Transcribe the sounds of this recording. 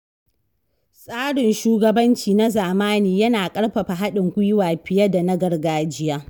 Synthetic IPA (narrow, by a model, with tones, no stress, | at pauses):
sʼaː˦ɽɪ˨nʃuː˦ɡɐ˨bɐ˦nt͡ʃiː˨na˦zaː˨maː˦niː˨jɐ˦naː˨kʼɐ˦ɽɸɐ˨ɸa˨ɦa˦ɗɪ˨ŋkʷʊ˦jwaː˨ɸɪ˨ja˦da˨nɐ˦ɡɐ˨rɡaː˦d͡ʒɪ˦jaː˦